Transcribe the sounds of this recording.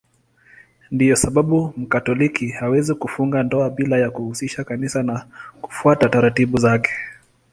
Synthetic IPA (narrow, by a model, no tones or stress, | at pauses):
ndijɔsaɓaɓum̩katɔlikihawɛzikufuŋɡandɔaɓilajakuhusiʃakanisanaku̥fuatataɾatiɓuzakɛ̥